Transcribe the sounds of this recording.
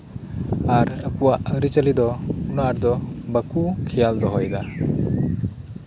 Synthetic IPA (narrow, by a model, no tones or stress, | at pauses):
aɾəkuwaʔəɾit͡ʃəlid̪ɔunaɾd̪ɔbakukʰɛjald̪ɔɦɔjd̪a